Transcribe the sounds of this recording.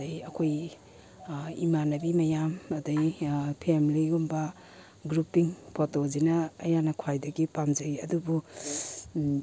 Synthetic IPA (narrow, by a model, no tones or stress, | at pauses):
ɐjɐkʰoj | ḭmanɐbimɐjamɐdɐjpʰemliɡumbɐ | ɡɾupiŋpʰotozinɐːjanɐkʰwajdɐɡipamzɐɾiɐdubu